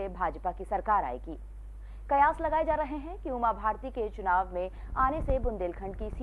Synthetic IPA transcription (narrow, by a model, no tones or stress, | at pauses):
ebʱaːd͡ʒpakisɐɾkaːɾa̰ːekiː | kɐjaːslɐɡaːed͡ʒaːɾɐɦeɦɛ̃kiumabʱaːɾt̪iket͡ʃʊnaːʋmẽ | aːnesebʊ̃nd̪eːlkʰə̃ɳɖkisi